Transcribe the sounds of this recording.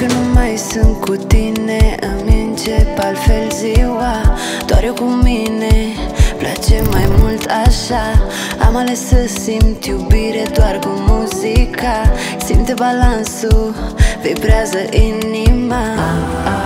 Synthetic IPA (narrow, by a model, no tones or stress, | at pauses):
kənũmajsuŋkut̪ineəmint͡ʃepalfelziwa | d̪waɾukumineplat͡ʃemajmult̪aʃa | a̰malesəsimt̪iubiɾed̪waɾkumuzikʰa | simt̪ebalansuvebɾazaʔinima